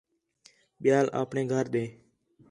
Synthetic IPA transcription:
ɓɪjaːlʔa̰ːpɳẽːɡʱəɾɗ̪eː

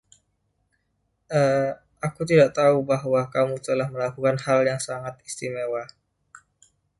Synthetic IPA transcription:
ʔə | akut̪̬idaʔt̪aubaɦwakamut̪əlahməlakukanhaljaŋsaŋat̪̚ist̪imewa

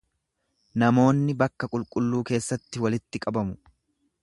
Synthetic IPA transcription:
nɐmo̞ːnːɪbɐkːɐkʼʊlkʼʊlːuːke̞ːsːɐt̪ːɪwɐlɪt̪ːɪkʼɐbɐmʊ

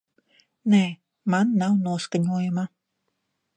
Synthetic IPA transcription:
nɛ | manːawnoskaɲojman

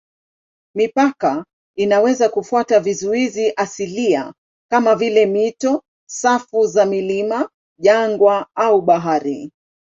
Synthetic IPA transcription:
mipaka | inawɛzakufuatavizuiziʔasilia̰ | kamavilɛmitɔ | safuzamilima | ʄaŋɡwaauɓaɦaɾi

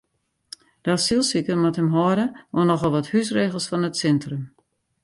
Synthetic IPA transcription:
d̥asilˠsikəmathəmɦɔədəonɔxɔlˠʋɔthys̬reːɣəlˠsfɔnətsɛntrəm

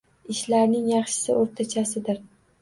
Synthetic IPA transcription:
ɪʃlaɾnɪŋjɑχʃɪ̥sɪoɾt̪ʰat͡ʃʰasɪd̪ɪɾ

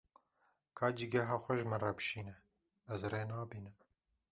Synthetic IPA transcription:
kʰɑːd͡ʒiɡɛɦɑːxʷɛʒmɨnrɑbʃiːnɛ | ɛzreːnɑːbiːnɨm

